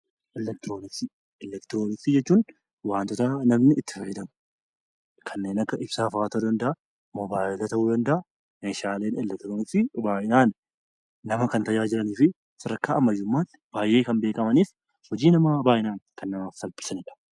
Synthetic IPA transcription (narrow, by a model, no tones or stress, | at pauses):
ʔɛlːɛk̚t̪ɪɾoːnɪksi | ɛlɛkt̪ɪɾoːnɪksiːd͡ʒɛt͡ʃːuːn | waːnt̪ɔt̪ɐnɐmnɪɪt̪ːɪ̥fɐjːɛd̪ɐm | kʰɐnːeːnɐkːɐʔɪb̥saːfaːt̪oːd̪ɐnd̪ɐʔɐ | mɔbaːʔɪlɐt̪ɐhuːd̪ɐnd̪ɐʔɐ | meːʃaːle̞ːnɛlːɛk̚t̪ɾoːnɪksibaːʔɪnaːnː | ɐmɐkɐnt̪ɐjaːd͡ʒɪɾɐniːfɪ | sɪɾɐkːaːʔɐmɐjːʊmːaːt̪ːɪ̥b̥aːjʔːe̞ːkɐnbeːkʼɐmɐniːf | hɔd͡ʒiːnɐmɐbaːʔɪnaːnkɐnːɐmaːfsɐlbɪ̥sɐnɪᶑɐ̥